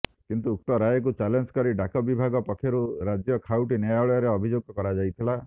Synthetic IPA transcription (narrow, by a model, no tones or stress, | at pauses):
kint̪uːk̚ʈɔɾajɔk̬ut͡ʃalend͡ʒkɔɾiɖakɔbibʱaɡɔpɔkʰjeɾuɾad͡ʒjɔkʰawʈinɔjaɔɭɔjaɾeɔbʱid͡ʒoɡ̚ɔkɔɾad͡ʒajt̪ʰila